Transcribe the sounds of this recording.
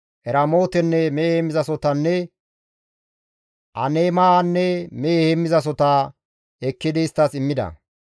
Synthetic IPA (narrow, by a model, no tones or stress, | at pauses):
ʔɛɾɐmo̞ːt̪ɛnːɛmeːheːmːɪzɐsɔt̪ɐnːɛ | ʔɐ̰neːmaːnːɛmeːhemːɪzɐs̬ɔt̪aː | ɛkːɪd̪ɪɪst̪ːɐsɪmːɪd̪ɐ̰